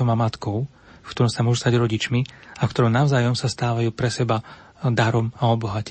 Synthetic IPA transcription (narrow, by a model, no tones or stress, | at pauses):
ɔmamat̪kɔʊ | fkt̪ɔɾɔmsamʊɔʒust̪aɟɾɔɟit͡ʃmiafkt̪ɔɾɔmnaʊzaːjɔmsast̪aːʋajuːpɾɛsɛba | d̪aɾɔmaɔbɔɦac